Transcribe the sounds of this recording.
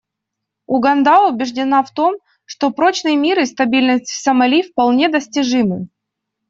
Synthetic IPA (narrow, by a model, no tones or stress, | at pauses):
ʊɡɐnd̪aʊbʲɪʐdʲɪnaft̪o̞m | ʂt̪o̞pɾo̞t͡ɕnɨjmʲiɾɨst̪ɐbʲilʲnəsʲtʲsəmɐlʲifpɐlˠnʲed̪əsʲtʲɪʐɨmɨ